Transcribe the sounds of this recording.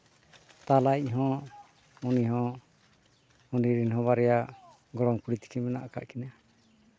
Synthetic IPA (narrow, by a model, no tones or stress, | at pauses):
t̪alaiʔɦɔ̃ | uniɦɔ̃ | uniɾinɦɔ̃βaɾɛjaʔ | ɡɔɽɔmkuɽit̪i̥kimɛna̰ʔaka̰ʔkina